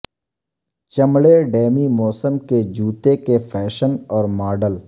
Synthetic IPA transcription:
t͡ʃɐmɽeɖeːmimɔːsəmked͡ʒuːt̪ekefʰɛːʃənɔːɾmaːɖəl

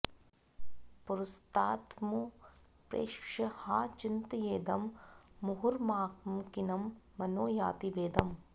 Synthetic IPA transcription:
pʊɾʊst̪aːt̪mu | pɾḛːʃʂɐhaːt͡ʃint̪jeːd̪ɐmːʊɦuɾmaːkmkinɐmː | ɐnoːjaːt̪ibeːd̪ɐm

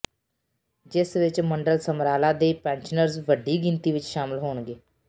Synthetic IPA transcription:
d͡ʒɪsʋɪt͡ʃməɳɖəlsəmɾaːlãːd̪eːpɛ̃ːnt͡ʃənəɾzʋəɖiːɡɪnt̪iːʋɪt͡ʃʃaːmɪlɦoːɳɡeː

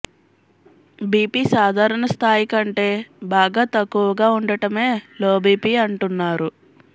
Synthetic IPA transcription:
biːpiːsaːd̪ʱaːɾɐɳɐst̪ʰaːjikɐɳʈe̞ːbaːɡaːt̪ɐkːuʋɐɡaːuɳɖɐʈɐme̞ːlo̞ːbiːpiːɐɳʈunːaːɾu

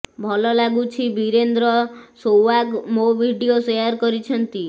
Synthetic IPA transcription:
bʱɔlɔlaɡut͡ʃʰibiɾend̪ɾɔsowakmobʱiɖiosejɔɾkɔɾit͡ʃʰɔnt̪i

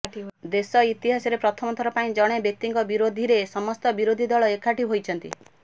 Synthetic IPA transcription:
d̪esɔit̪iɦasɔɾepɾɔt̪ʰɔmɔt̪ʰɔɾɔpaĩd͡ʒɔɽ̃ebjek̚t̪iŋkɔbiɾod̪ʱiɾesɔmɔst̪ɔbiɾod̪ʱid̪ɔɭɔekʰaʈiɦojt͡ʃʰɔnt̪i

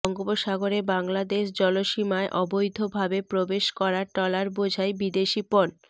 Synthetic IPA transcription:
ɔŋɡoboʃaɡoɾebaŋlad̪eʃd͡ʑɔloʃimaeʔɔbojd̪ʱobʱabepɾobeʃkɔɾaʈɔlaɾbod͡ʑʱajbid̪eʃipɔn

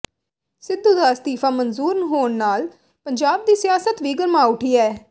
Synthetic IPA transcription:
sɪd̪ːuːd̪aːst̪iːfʰaːmənzuːɾnəɦoːɳnaːl | pəɲd͡ʒaːb̚d̪iːsɪjaːsət̪ʋiːɡəɾmaːʊʈʰiːɛː

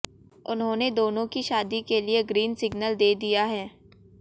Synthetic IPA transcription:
ʊnɦõːned̪oːnõkiʃaːd̪ikelieɡɾiːnsɪɡnəld̪eːd̪ijaɦɛː

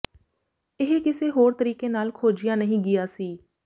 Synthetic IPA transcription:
ɪɦekɪseːɦoːɾt̪əɾiːkeːnaːlkʰoːd͡ʒɪjãːnəɦĩːɡɪjaːsiː

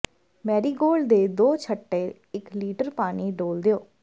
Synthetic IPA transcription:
mɛːɾiːɡoːld̪eːd̪oːt͡ʃʰəʈːeː | ɪkliːʈəɾpaːniːɖoːld̪ejoː

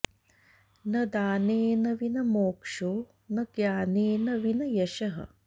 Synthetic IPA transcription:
nɐd̪aːneːnɐʋinɐmoːkʂoː | nɐɡjaːneːnɐʋinɐjɐʃɐɦɐ̰

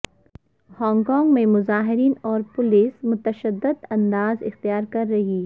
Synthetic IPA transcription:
hɔ̃ːŋɡkɔ̃ːŋɡmẽmʊzaːɦɪɾiːnɔːɾpʊlɪsmʊt̪əʃəd̪ːɪd̪ɐ̃nd̪aːzɪ̰xt̪ijaːɾkɐɾːɐɦiː

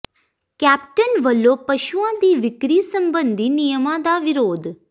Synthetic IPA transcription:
kæːp̚ʈənʋəloːpəʃuãd̪iːʋɪkɾiːsəmbənd̪ʱiːnijəmãd̪aʋɪɾoːd̪ʱ

